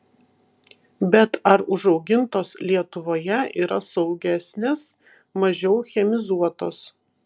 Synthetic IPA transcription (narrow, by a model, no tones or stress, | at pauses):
bʲɛt̪ɐɾʊʒɒʊɡʲɪnt̪oːslʲiɛt̪ʊʋoːjɛʔiːɾɐsɒʊɡʲæːsʲnʲeːs | mɐʒʲɛʊxʲɛmʲɪzuɔt̪oːs